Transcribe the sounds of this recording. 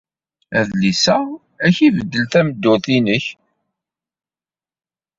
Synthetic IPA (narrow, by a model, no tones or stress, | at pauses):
æðlisæ | æçivəd̪ːəlθæməd̪ːʊθinəç